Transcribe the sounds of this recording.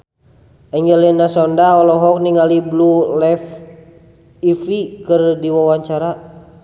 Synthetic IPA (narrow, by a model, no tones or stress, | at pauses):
ɛɲd͡ʒɛliɛnasɔndaɔlɔɦɔk̚niŋaliblulɛf | ifikərdiwawaɲt͡ʃaɾa